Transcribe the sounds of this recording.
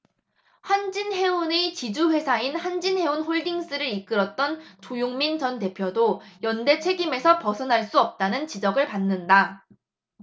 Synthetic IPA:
ɸwand͡ʑinɦe̞unet͡ɕid͡ʑuɸwe̞sʰainhand͡ʑinhe̞unɸoɭdiŋs͈ɯɾɯɾik͈ɯɾʌt̚t͈ʌnt͡ɕojoŋmint͡ɕʌnte̞pʰjodojʌnde̞t͡ɕʰe̞ɡime̞sʰʌpʌsʰʌnɦaɭs͈uʌp̚t͈anɯnt͡ɕid͡ʑʌɡɯɭpanːɯnda

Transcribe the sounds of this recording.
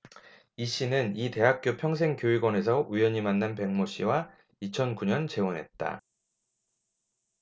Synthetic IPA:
iɕ͈inɯnite̞ɦak̚k͈jopʰjʌŋs̬ʰe̞ŋkjoiɡwʌne̞s̬ʰʌujʌɲimanːanpe̞ŋmoɕ͈iwa | it͡ɕʰʌnkuɲʌnt͡ɕe̞onɦe̞̰t̚t͈a̰

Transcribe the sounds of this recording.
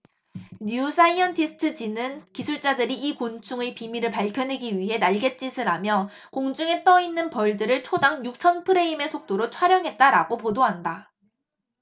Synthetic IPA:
nuusʰaiʌntʰisʰɯ̥tʰɯd͡ʑinɯnkisʰuɭt͡ɕ͈adɯɾiikont͡ɕʰuŋepimiɾɯɭpaɭkʰjʌnɦwe̞ɡiɥiɦe̞naɭɡe̞t͡ɕ͈isʰɯɾamjʌ | koŋd͡ʑuŋe̞t͈ʌinːɯnpʌɭdɯɾɯɭt͡ɕʰodaŋjuk̚t͡ɕʰʌnpʰɯɾe̞ime̞sʰok̚t͈oɾot͡ɕʰwaɾjʌŋɦe̞t̚t͈aɾaɡopodoɦanda

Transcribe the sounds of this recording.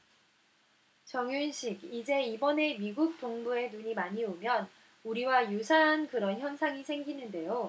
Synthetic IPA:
t͡ɕʌŋjunɕʰiɡid͡ʑe̞ibʌne̞miɡuk̚t͈oŋbue̞nuɲimaɲiomjʌn | uɾiwajusʰaɦankɯɾʌnçjʌnsʰaŋisʰe̞ŋɡinɯnde̞jo

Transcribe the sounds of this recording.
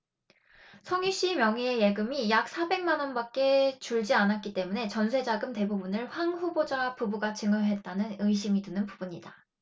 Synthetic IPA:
sʰʌŋiɕ͈imjʌŋie̞je̞ɡɯmijak̚s͈ʰabe̞ŋmanʌnbak͈̚e̞t͡ɕuɭd͡ʑianat̚k͈it͈e̞mune̞t͡ɕʌnsʰe̞d͡ʑaɡɯmte̞bubunɯɭɸwaŋɸubod͡ʑapubuɡat͡ɕɯŋɯɦe̞t̚t͈anɯnɯjɕʰimitunɯnpubuɲida

